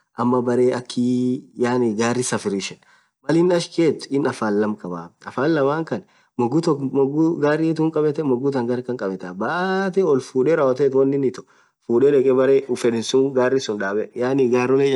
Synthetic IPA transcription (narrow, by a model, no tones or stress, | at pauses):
ʔɐmːɐbɐɾeːɐkʰːiːjaːniɡaːrːɪsɐfɪɾiʃɛn | mɐlɪnɐʃkeːt̪ɪnɐfaːnlɐmkʼɐba̰ːɐfaːnlɐbaːŋkɐn | mɔɡːʊt̪ɔmɔɡʊɡaːrːɪːt̪uːŋkʼɐbɛt̪ɛmɔɡʊt̪ɐŋɡɐɾkɐŋkʼɐbɛt̪aːbaʔt̪ɛɔlfuːᶑeːɾɐwɐt̪eːt̪wɐnːɪnɪt̪ɔ̥ | fuːᶑɛᶑɛkʼɛbɐɾeːʊfɛᶑɪnsʊŋɡaːrːɪsʊnᶑaːbɛjaːnɪɡaːɾɔle